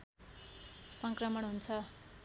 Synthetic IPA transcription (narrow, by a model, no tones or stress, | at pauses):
sʌŋkrʌmʌnɦunt͡sʰʌ